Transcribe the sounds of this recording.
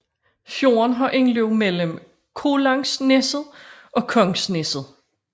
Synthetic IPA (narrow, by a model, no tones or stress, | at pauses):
fjo̝ːɐnɦɑ̈ʔe̝nleʊmel̰əm | kʰo̝lɑ̈ŋsnesð̩ˠʔɒ̽kʰɒ̽ŋsnesð̞̩ˠ